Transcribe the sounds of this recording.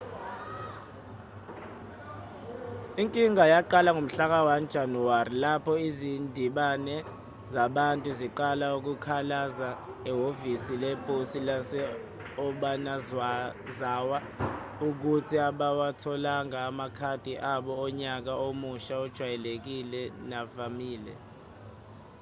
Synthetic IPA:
iŋkʼiŋajaǃalaŋom̩ɬak̬awand̥ʒ̥ʱanuwarilapʰɔizindʱiɓanɛ | zaɓantʼuziǃalauk̬ukʰalazaɛɦovisilɛpʼosilasɛ | ɔɓana | zaːwa | uk̬utʰiaɓawatʰɔlaŋaːmakʰad̥ʱiʔaɓɔːɲak̬aomuʃaɔd̥ʒ̥ʱwajɛlek̬ilɛnavamiːlɛ̰

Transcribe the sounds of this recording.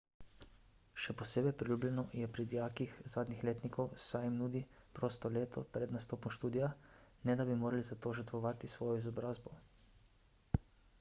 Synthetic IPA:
ʃɛpɔseːbɛjpɾilʲuːblʲɛnɔjɛpɾid̪ijaːkixzaːd̪nɲixleːt̪nikʰɔwsajimnuːd̪ipɾoːst̪ɔleːt̪ʰɔpɾɛd̪nast̪oːpɔmʃt̪uːd̪ijanɛd̪abimoːɾalizat̪oːʒəɾt̪ʋɔʋaːt̪isʋɔːjɔizɔbɾaːzbɔ

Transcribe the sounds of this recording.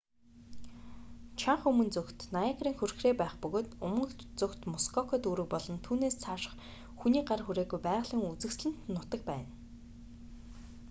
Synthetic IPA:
t͡ɕʰaɴχɵmɵ̆nt͡sɵkt̪naiɡriːŋxɵrxreːpæːχpɵɣoːt̪ʊmɢə̆kt͡sɵkt̪mɔskʰɔkʰɔt̪uɾɘ̆k̚pɔɮɞ̆nt̪ʰuːneːst͡sʰaʃə̥̆χ | xuniːɢarxuɾeːɣujpæːʁɮiːŋut͡sɘ̆ksɮɘ̆n̥t̪nʊt̪ə̆k̚pæ̰ːn

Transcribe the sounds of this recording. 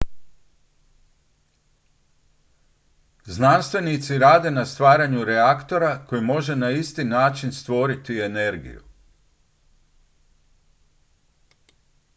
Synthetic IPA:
znanst̪ʋe̞nit̪siɾaːd̪e̞nast̪ʋaːɾaɲuɾeakt̪o̞ɾako̞jimo̞ʒe̞naist̪inaːt͡ʃinst̪ʋo̞ɾit̪ie̞ne̞ɾɡḭjṵ

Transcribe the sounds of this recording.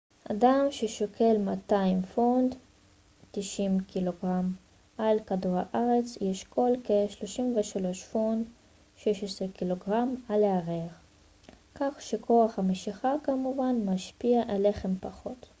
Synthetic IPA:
ʔa̰damʃeʃokʰe̞lmataimfond̪ | tiʃimkilo̞ɡʁam | ʔalkaduʁhaʔaʁet͡sjeʃko̞lkeʃlo̞ʃimveʃalo̞ʃfond | ʃeʃesʁekilo̞ɡʁamaleaʁeaχ | kaχʃekʰo̞aχhameʃiχakamuvanmaʃpiaʔele̞χe̞mpaχo̞t

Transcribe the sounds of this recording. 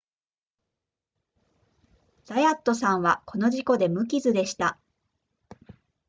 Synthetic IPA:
z̥ajat̪ːo̞sãɰ̃βako̞no̞ʑiko̞d̪e̞mɯ̟k̬ʲizɨd̪e̞ɕi̥t̪a

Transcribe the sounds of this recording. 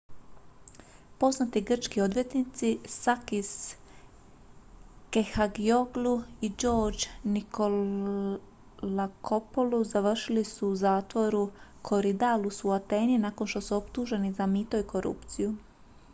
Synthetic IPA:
po̞znat̪iɡr̩t͡ʃkio̞d̪ʋje̞t̪nit̪sisakis | kexaɡioɡluid͡ʒo̞ːɾd͡ʒnikʰo | lakʰo̞poluzaʋr̩ʃilisuːzaːt̪ʋo̞ɾukʰo̞ɾid̪alusuat̪eːninaːko̞nʃt̪o̞suopt̪uʒe̞nizamit̪oiko̞ɾṵpt̪siju

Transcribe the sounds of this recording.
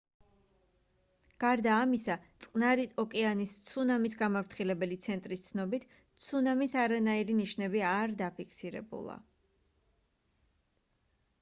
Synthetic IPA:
ɡ̥aɾd̪aːmisat̪sʼqʼnaɾiɔkʼɛanist̪sʰunamis̬ɡamavɾt̪ʰχilɛbɛlit̪sʰɛnt̪ʼɾist̪sʰnɔbit̪ʰ | t̪sʰunamisaɾanaiɾiniʃnɛbiaɾd̪apʰikʰsiɾɛ̰bṵlˠa̰

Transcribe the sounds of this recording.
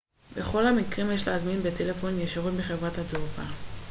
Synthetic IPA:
beχo̞lhamikʁimjeʃleazminbetʰele̞fo̞njeʃaʁutbeχevʁathadopa

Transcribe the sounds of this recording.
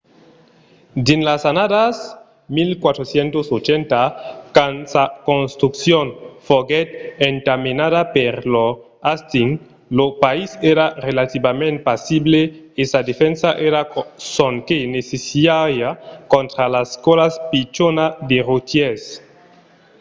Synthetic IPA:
d̪enlasanadas | milkwat̪ɾosjent̪osot͡ʃɛnt̪akansakonst̪ɾuksjonfoɡɛt̪eŋtaminaðapeɾlo | ast̪iŋ | lopaiseɾarelat̪iβamẽnt̪̚pasibleesad̪efɛnsaʔeɾasoŋkenesesiajakont̪ɾalaskolaspit͡ʃonad̪erot̪jes

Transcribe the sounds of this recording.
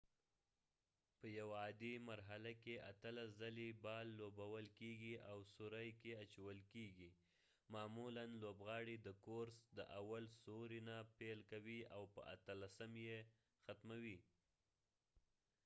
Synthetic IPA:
pəjawaɑd̪imaɾɦalakeʔat̪əlaszalibɑlːobawəlkeɡiʔawsʊɾajkeat͡ʃawəlkeɡi | mɑmulanlobɣɑɽid̪əkoɾsd̪əʔawalsoɾinapelkawiawpə̰a̰t̪əlasəmje | xat̪mawi

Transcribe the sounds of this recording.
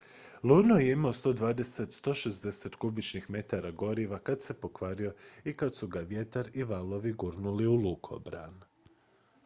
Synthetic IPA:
lunojeimaost̪o̞d̪ʋaːd̪e̞set̪st̪o̞ːʃezd̪ese̞t̪ɡubit͡ʃnixme̞t̪aɾaɡo̞ɾiʋakad̪se̞po̞kʋaɾio̞ikad̪suɡaʋje̞t̪aɾiʋalˠo̞ʋiɡuɾnuliulukʰo̰bɾa̰n

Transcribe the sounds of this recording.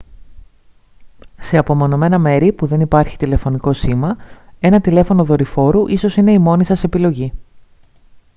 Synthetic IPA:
se̞ɐpo̞mo̞no̞me̞nɐme̞ɾipuðe̞nipɐɾçi̥t̪ile̞fo̞niko̞simɐe̞nɐt̪ile̞fo̞no̞ðo̞ɾifo̞ɾuʔiso̞sine̞imo̞nisɐse̞pilo̞ʝi

